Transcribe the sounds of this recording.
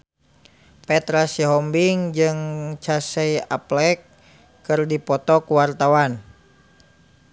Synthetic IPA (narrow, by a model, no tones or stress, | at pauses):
pɛt̪ɾasiɦɔmbiŋd͡ʒɨŋt͡ʃasɛjaplɛkː | ɨrdipɔt̪ɔkuwart̪awan